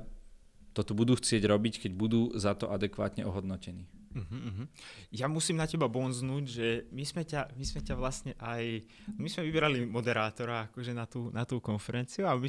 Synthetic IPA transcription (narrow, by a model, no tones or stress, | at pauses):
t̪ɔt̪ɔbud̪uːxt͡sɪɛɟɾɔbickɛɟbud̪uːzat̪ɔʔad̪ɛkʋa̰ːt̪ɲɛɔɦɔd̪nɔcɛniːm̩ɦm̩ːɦm̩jamusiːmnacɛbabɔnznuːɟʒɛmizmɛcamizmɛcaʋlasɲɛʔaj | mizmɛʋibɛɾalimɔd̪ɛɾaːt̪ɔɾaakɔʒɛnat̪uːnat̪uːkɔnfɛɾɛnt͡siuami